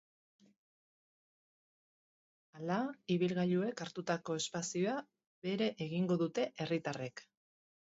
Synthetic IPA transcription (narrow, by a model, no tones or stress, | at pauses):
alaiβilɣaʎue̞kaɾt̪ut̪ako̞e̞spasio̞a | βe̞ɾe̞ʔeɣiŋɡo̞ðut̪e̞ʔe̞rit̪are̞k